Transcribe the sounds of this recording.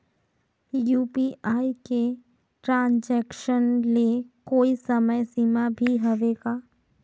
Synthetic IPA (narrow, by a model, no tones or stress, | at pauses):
juːpiːaːike | ʈɾãːnd͡ʒɛːkʃənlekoːisɐməjsiːmabʱiɦɐʋeːɡaː